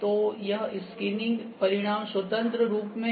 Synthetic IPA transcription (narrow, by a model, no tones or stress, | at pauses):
t̪ojɐɦɪskɪnɪ̃ŋɡpɐɾɪɽ̃aːmswɐt̪ə̃nt̪ɾəɾuːpmẽ